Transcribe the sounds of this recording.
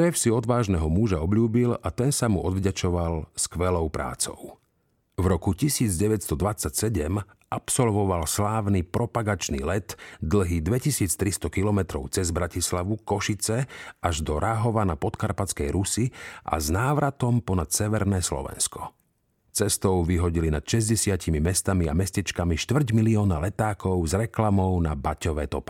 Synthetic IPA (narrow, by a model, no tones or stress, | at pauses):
ʃɛfsiɔd̪ʋaːʒnɛɦɔmuʒaɔbʎuːbilat̪ɛnsamuʔɔd̪ʋɟat͡ʃɔʋalskʋɛlɔʊpɾa̰ːt͡sɔ̰ʊ | vɾɔkucisiːd͡zɟɛʋɛcst̪ɔd̪ʋat͡sːacsɛɟɛm | ʔapsɔlʋɔʋalslaːʋnipɾɔpaɡat͡ʃnḭlɛt̪d̪l̩ɦiːd̪ʋɛcisiːt͡st̪ɾist̪ɔkilɔmɛt̪ɾɔʊt͡sɛzbɾacislaʋukɔʃit͡sɛʔaʒd̪ɔɾʔaɦɔʋanapɔt̪kaɾpat͡skɛjɾusiʔa̰znaːʋɾat̪ɔmpɔnat̪sɛʋɛɾnɛːslɔ̰ʋɛ̰nskɔ̥ | t͡sɛst̪ɔʊʋiɦɔɟilinat̪ʃɛzɟɛsɪacimimɛst̪amia̰mɛscɛt͡ʃkamiʃt̪ʋr̩ɟmiliɔːnalɛt̪aːkɔʊzɾɛklamɔʊnabacɔʋɛːt̪ɔpɛ